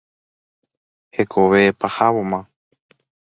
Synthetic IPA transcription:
hekʰoʋepahaβomã

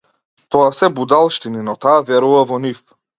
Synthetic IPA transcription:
t̪ɔasɛbud̪alˠʃt̪ininɔt̪aːvɛɾuvavɔnif

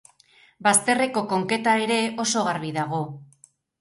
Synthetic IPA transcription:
bast̪e̞re̞ko̞ko̞ŋke̞t̪ae̞ɾe̞o̞so̞ɣaɾβiðaɣo̞

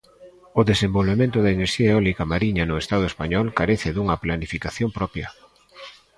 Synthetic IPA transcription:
ʊðesembolβemẽnt̪ʊðɐineɾʃiɐeɔlikamaɾiɲɐnʊest̪að̞ʊespaɲɔlkaɾeθɪðuŋɐplanifikaθjompɾɔpjɐ

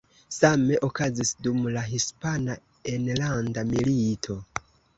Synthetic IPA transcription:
same̞ʔo̞kazisdumlaɦispana | enlandamilitʰo̞

